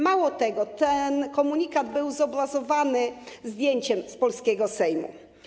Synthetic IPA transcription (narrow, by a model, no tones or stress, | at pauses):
mawɔt̪ɛɡɔt̪ɛnkɔmuɲikad̪bɘwzɔbɾazɔvanɘzd̪ʲjeɲt͡ɕɛmspɔlskʲeɡɔsɛjmṵ